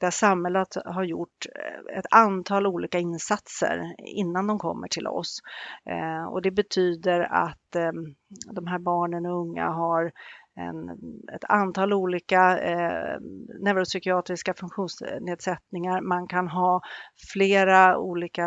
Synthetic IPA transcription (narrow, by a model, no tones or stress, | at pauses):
d̪̥æʂamhɛlːət̪ɦaɾjʊʈːɛ̰t̪ant̪ʰɑːluːliːkaɪnsat̪sə̰ɾɪ̰nːand̪ɔmkʰɔ̰mːə̰ʈʰɪlʔɔ̰s | ɔ̰d̪ɛbɛt̪ʰyːd̪əɾa̰t̪ | d̪ɔmɦæːɾbɑːɳənɔɵŋːa̰ɦaɾɛ̰nɛ̰t̪ʰant̪ʰɑːluːliːka | nɛvɾʊsʏkɪɑːt̪ɾɪskafɵŋkɧuːnsneːd̪sɛt̪nɪŋaɾmankʰanɦɑːfleːɾaṵːliːka